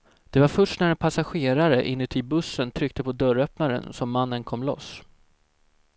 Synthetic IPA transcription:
d̪̥ɛvaɾfœʂʈnæɾɛnpʰasaɧeːɾaɾəʔɪnːʉ̟ːt̪ʰɪlbɵsːənt̪ʰɾʏk̚t̪əpʰɔd̪œɾœpnaɾə̰nsɔmːanːənkʰɔmːlɔ̰s

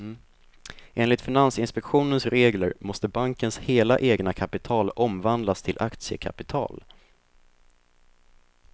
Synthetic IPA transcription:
ʔeːnlɪt̪fɪnansɪnspɛkɧuːnənsɾeːɡlə̰ɾmɔst̪əbaŋkənsheːlaʔeːɡnakʰapɪt̪ʰɑːlɔmvand̪last̪ʰɪlʔa̰kt̪sɪə̰kʰa̰pɪt̪ʰɑ̰ːl

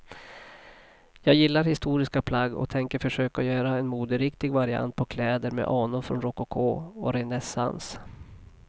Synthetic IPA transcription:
jɑːɡjɪlːaɾhɪst̪uːɾɪskapʰlaɡːɔ̰t̪ʰɛŋkəɾfœʂøːkaɔjœːɾaɛnmuːd̪əɾɪkt̪ɪɡvaɾɪa̰nt̪̚pʰɔkʰlɛːd̪əɾmɛ̰ʔɑːnʊɾfɾɔ̰nɾɔkːʊkʰoːɔ̰ɾɛnɛsa̰ns

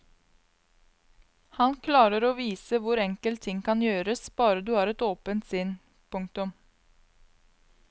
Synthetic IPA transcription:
hɑnkʰlɑːɾəɾoːʋiːsəʋʊɾɛŋkəlt̪ʰɪŋkʰɑnjøːɾəsb̥ɑːɾəd̪ʉːhɑːɾɛt̪oːpənt̪sɪn | pʰʊŋk̚t̪ʉm

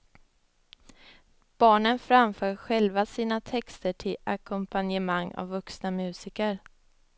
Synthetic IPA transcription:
b̥ɑːɳənfɾamfœːɾɧɛlvasiːnat̪ʰɛkst̪əʈʰɪla̰kʰɔmpʰanjəmaŋːa̰vːɵksnamʉ̟ːsɪkəɾ

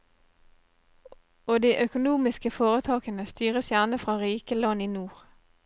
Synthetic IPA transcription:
oːd̪iːʔœkʊnuːmɪskəfoːʁət̪ʰɑːkənəst̪yːʁəsjæʁnəfʁɑːʁiːkəlɑniːnuːʁ

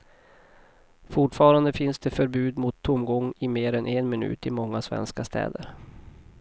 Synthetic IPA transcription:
fʊʈfɑːɾand̪əfɪnsd̪ɛfœɾbʉ̟ːd̪mʊt̪ʰːʊmɡɔŋːɪmeːɾɛnʔɛnmɪnʉ̟̰ːt̪ɪmɔŋːasvɛ̰nskast̪ʰɛ̰ːd̪əɾ

